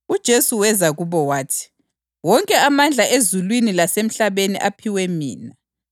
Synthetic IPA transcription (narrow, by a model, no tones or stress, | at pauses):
ud̥ʒ̥ʱesuwɛzaɣuβɔwaːtʰi̥ | wɔŋkʼɛamand͡ɮʱaʔezulwinilasem̩ɬaβenḭʔapʰiwɛmḭːna